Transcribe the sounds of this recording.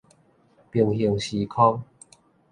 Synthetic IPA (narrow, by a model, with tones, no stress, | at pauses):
pji˨˩ŋɦi˨˩ŋɕi˨˦kʰɔ˦ŋ